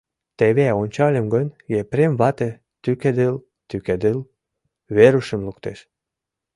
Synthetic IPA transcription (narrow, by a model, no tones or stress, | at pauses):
t̪eβeonʲt͡ɕɑlʲəmɡənʲjepɾemβɑt̪e | t̪yked̪el | t̪yked̪el | βeɾuʃə̆mlukt̪ḛʃ